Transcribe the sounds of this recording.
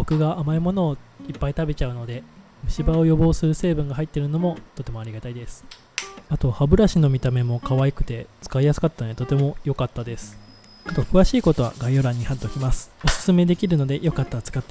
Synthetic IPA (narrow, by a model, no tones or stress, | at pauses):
okɯ̟ɡaʔamaimo̞no̞ːipːait̪abe̞t͡ɕaɯ̟no̞d̪e̞ | mɯ̟ɕibao̞jo̞bo̞ːsɨɾɯ̟se̞ːbɯ̟̃ŋɡaɦait̪ːeɾɯ̟no̞mo̞t̪ot̪e̞mo̞aɾʲiɡat̪aid̪e̞sɨ̥ | at̪o̞habɯ̟ɾaɕino̞mʲit̪ame̞mo̞kaβaikɯ̟̥t̪e̞t͡sɨ̥kaijasɨ̥kat̪ːant̪o̞t̪e̞mo̞jo̞kat̪ːad̪e̞sɨ̥ | at̪o̞kɯ̟βaɕiːko̞t̪o̞βa̰ɡaijo̞ɾãɲ̟ːihat̪ːo̞kʲimasɨ̥o̞sɨ̥sɨme̞d̪e̞kʲiɾɯ̟no̞d̪e̞jo̞kat̪ːat͡sɨ̥kat̪ːa